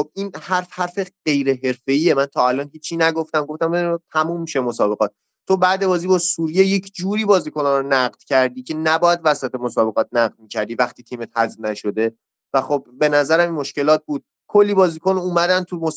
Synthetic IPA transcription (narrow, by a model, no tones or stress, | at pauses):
xob̚ʔiːnhæɾfhæɾfe̞ɢ̥e̞jɾe̞ɦe̞ɾfe̞iːemænt̪ʰɒːælɒːnɦiːt͡ʃʰːiːnæɡo̞ft̪æmɡo̞ft̪æmbed̪t̪ʰæmuːmːiʃemosɒːbe̞ɣɒːt̪̚ | t̪ʰːo̞bæd̪e̞bɒːziːbɒːsuːɾije̞je̞cʰd͡ʒuːɾiːbɒːziːkʰonɒɾonæɣd̪̥cʰæɾd̪iːcʰe̞næbɒːjæd̪væsæt̪ʰemosɒːbe̞ʁɒːt̪̚næɣ̚d̪̚miːcʰæɾd̪iːvæχt̪iːt̪ʰiːmet̪̚hæzbnæʃo̞d̪e̞ | væxo̞bbe̞næzæɾæminmo̞ʃce̞lɒːt̪̚buːd̪̥̚ | kʰolːiːbɒːziːkonuːmæd̪ænt̪ʰumos